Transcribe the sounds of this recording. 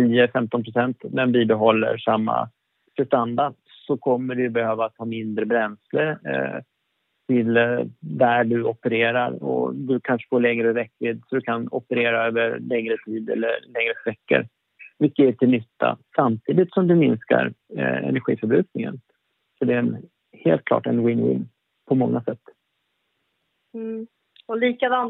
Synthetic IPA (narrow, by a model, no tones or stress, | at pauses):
iːəfɛmt̪ɔnpʰɾʊsɛnt̪mɛnbiːbɛɦɔlːə̰ɾʂamːa̰ | fɛst̪and̪aɖ | sɔkʰɔmːəɖɵjbɛhøːvat̪ʰhɑːmɪnd̪ɾəbɾɛnsləɾ | t̪ʰɪld̪æɖɵɔpəɾeːɾaɾɔ̰d̪ɵkʰanʂə̥foːɭɛŋɾəvɛkːvɪːd̪sɔd̪ɵkʰanɔpəɾeːɾaøːvəɾlɛŋɾət̪ʰiːd̪ɛ̰lːə̰lɛŋɾəsvɛkːə̰ɾ | vɪk̪ːəæʈ̪ʰɪlnʏt̪ːa̰samt̪ʰiːd̪ɪt̪sɔmd̪ɵmɪnska̰ɾɛ̰næɾɧḭːfœɾbɾʉ̟ːk̚nɪŋə̰n | sɔɖɛn | heːlt̪̚kʰlɑ̰ːʈɛ̰nwɪnwɪ̰n | pʰɔmɔŋːasɛt̪ː | ɔliːkad̪ɑn